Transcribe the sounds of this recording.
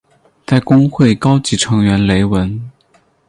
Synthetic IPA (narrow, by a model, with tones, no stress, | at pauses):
t͡sa˥˩ɪkʊ˥ŋxwe˥˩ɪkɑ˥ʊt͡ɕi˧˥ʈ͡ʂʰɤ˧˥ŋɥɛ˧˥nle˧˥ɪwə˧˥n